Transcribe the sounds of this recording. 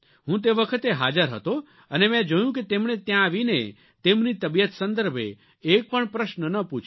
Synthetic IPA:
ɦũt̪eʋəkʰət̪eɦad͡ʒəɾɦə̰t̪o | ənemɛ̃d͡ʒəjũket̪emɳet̪jãːʋine | t̪emnit̪əbijət̪sənd̪əɾbʱḛː | k̚pəɳpɾəʃnənəput͡ʃʰ

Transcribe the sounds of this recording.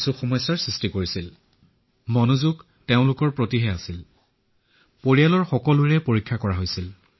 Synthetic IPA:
suxɔmɔjsːaɹsɹistikoɹisil | mɔnuzuɡ | teʊ̃lʊkɔɹpɹotiɦɛasil | poɹijalɔɹxɔkɔluɹɛpoɹikʰːakɔɹaɦojsil

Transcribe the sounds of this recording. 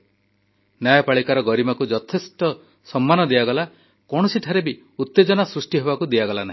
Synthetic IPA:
njajɔpaɭikaɾɔɡɔɾimakud͡ʒɔt̪ʰest̪ɔ | sɔmːanɔd̪iaɡɔla | kɔɽ̃ɔsiʈʰaɾebi | ut̪ːed͡ʒɔnasɾusʈiɦebakud̪iaɡɔlanaɦi

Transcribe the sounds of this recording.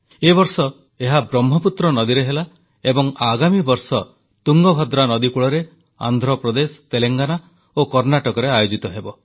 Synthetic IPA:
ebɔɾsɔ | eɦabɾɔmɦɔput̪ɾɔnɔd̪iɾeɦela | ebɔŋaɡamibɔɾsɔ | t̪uŋɡɔbʱɔd̪ɾanɔd̪ikuɭɔɾe | a̰nd̪ʱɾɔpɾɔd̪esɔ̥t̪eleŋɡana | okɔɾnaʈɔkɔɾeajod͡ʒit̪ɔɦebɔ

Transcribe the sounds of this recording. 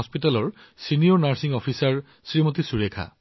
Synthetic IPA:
ɔspitalɔɹ | sinijɔɹnaɹsiŋɔpʰisaɹ | sɹimot̪isuɹekʰa̰

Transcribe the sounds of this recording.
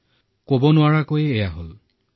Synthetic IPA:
kobɔnʊwaɹakojɛːjaɦo̰l

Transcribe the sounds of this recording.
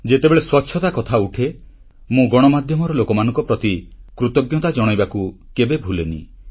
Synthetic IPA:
d͡ʒet̪ebeɭeswɔtːʃʰɔt̪akɔt̪ʰauʈʰe | mũɡɔɽ̃ɔmad̪ʱjɔmɔɾɔlokɔmanɔ̃ŋkɔpɾɔt̪ikɾut̪ɔɡjɔt̪ad͡ʒɔɽ̃ɔjbakukebebʱulenḭ

